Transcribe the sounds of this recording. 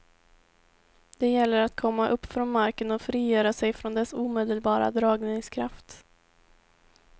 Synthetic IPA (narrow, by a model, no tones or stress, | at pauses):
d̪̥ɛjɛlːəɾat̪kʰɔmːaʔɵpːfɾɔnmaɾkənɔfɾiːjœːɾasɛjfɾɔnd̪ɛsuːmeːd̪əlbɑːɾa̰d̪ɾɑːɡnɪŋskʰɾaft̪